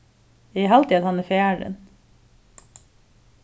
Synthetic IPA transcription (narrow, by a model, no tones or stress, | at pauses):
iːɦɑlt̪ʰiːɑd̪hɑnæːfɪæːɹə̰n